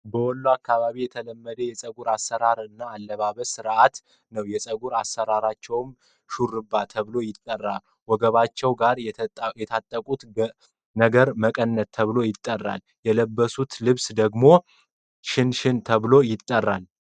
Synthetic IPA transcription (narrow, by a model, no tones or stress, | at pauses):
bəwɔlːoakːaβaβijɛt̪ʰələmːəd̪əjɛsʼəɡuɾasːəɾaɾɨnːaːlːəβaβəsɨɾʔat̪ | nəwjɛsʼəɡuɾasːəɾaɾat͡ʃːɛwm | ʃurɨbːat̪ʰəβɨlo̞jɪt̪ʼːərːal | wɔɡəβat͡ʃːɛwɡaɾjɛt̪ʰat̪ʼːəkʼut̪ | nəɡəɾməkʼənːətt̪ʰəβlo̞jɪt̪ʼːərːa̰l | jɛləbːəsut̪lɨβsd̪əɡmo̞ | ʃɪnʃɪnt̪ʰəβlo̞jɪt̪ʼːərːal